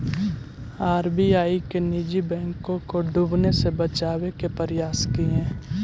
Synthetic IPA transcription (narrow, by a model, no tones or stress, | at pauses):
aːɾbiaːikeniːd͡ʒibɛ̃ːŋkõkoɖuːbnesebət͡ʃaːwekepəɾɪjaːskiẽː